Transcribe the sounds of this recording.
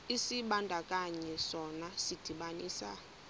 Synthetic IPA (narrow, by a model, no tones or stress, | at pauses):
isiɓandʱakʼaɲɛsɔnasid̥ʱiɓaniːsa̰